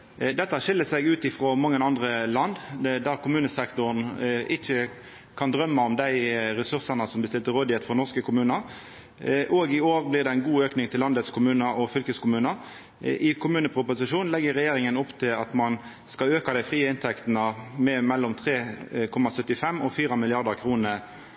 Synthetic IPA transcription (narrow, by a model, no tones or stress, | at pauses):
d̪ɛt̪ːəæʂɪlːəsɛɡʉːt̪ɪfʁomɑŋːənɑnd̪ʁəlɑnd̪d̪ɑkʰʊmʉːnəsɛkt̪ʊɾn̩ʔɪçə | kʰɑnd̪ɾœmːɑɔmd̪æɪɾɛsʉʁsənəsɔmbəst̪ɪlt̪əɾoːd̪ɪheːt̪fɔʁnɔʁskəkʰʊmʉːnəɾ | ʔoːɡɪoːʁblɪʁd̪ɛæɪnɡuːøːknɪŋt̪ʰɪlːɑnd̪ət̪skʰʊmʉːnəɔfʏlkəskʰʊmʉːnəɾ | ʔɪkʰʊmʉːnəpʰʁʊpʊsɪʂuːnlɛɡːəʁɛjeːɾɪŋənɔpːt̪ʰɪlɑt̪mɑn | skɑløːkɑd̪æɪfʁiːəɪnt̪ʰɛkt̪nəmɛmɛlːɔmt̪ʰʁeːkʰɔmːɑsœt̪ːɪfɛmɔfiːʁɑmɪlɪɑʁd̪əʁkʰɾuːnə